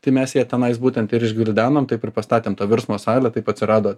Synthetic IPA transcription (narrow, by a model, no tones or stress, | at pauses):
t̪ɐɪmʲɛsjiɛt̪ʲɛnɐɪsbuːt̪ʲɛnt̪ɪɾɪʒʲɡʲʋʲɪlʲd̪ʲæːnoːmt̪ɐɪpɪɾpɐst̪ɑːt̪ʲeːmt̪oːʋʲɪɾsmoːsɑːlʲɛt̪ɐɪpɐtʲsʲɪɾɑːd̪oː